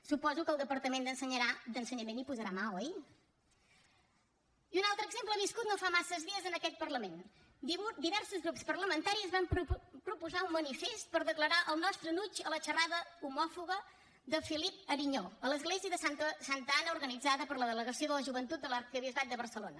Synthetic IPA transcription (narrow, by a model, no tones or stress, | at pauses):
supɔzukəlˠd̪əpəɾt̪əmend̪ənsəɲəɾad̪ənsəɲəmenipuzəɾamaəi | iunalˠt̪ɾəɡzemplˠəβiskut̪̚nofamasəzðiəzənəkɛt̪̚pəɾləmen | d̪iud̪iβɛrsuzɣɾupspərləmənt̪aɾiəzβampɾupuzaummənifest̪̚pəɾðəkləɾaʔəlˠnɔst̪ɾənut͡ʃələʃəraðəumɔfuɣə | d̪əfilip̚əɾiɲoələzɣleziəðəsaəsant̪əanəuɾɣənid͡zaðəpəɾləðələɣəsioðələʒuβənt̪ut̪̚d̪ələɾkəβiəzβat̪̚d̪əβəɾsəlonə